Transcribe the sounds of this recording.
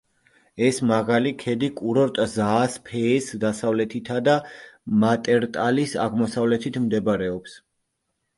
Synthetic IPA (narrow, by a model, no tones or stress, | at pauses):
ɛsmaʁalikʰɛd̪ikʼuɾɔɾt̪ʼzaːspʰɛːsd̪asavlɛt̪ʰit̪ʰad̪amat̪ʼɛɾt̪ʼalisa̰ʁmɔsavlɛt̪ʰit̪ʰmd̪ɛbaɾɛɔps